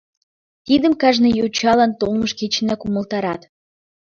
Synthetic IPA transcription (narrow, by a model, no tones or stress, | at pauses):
t̪id̪ə̆mkɑʒnĕjot͡ɕɑlɑnt̪olməʃket͡ɕə̆nækumə̆lt̪ɑɾɑt̪